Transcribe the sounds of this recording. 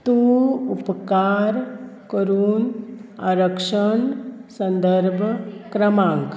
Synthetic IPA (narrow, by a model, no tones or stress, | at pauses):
t̪uupkaːɾkəɾuːnaɾəkʂəɳsə̃nd̪ʱəɾbʱkɾɐmãːŋk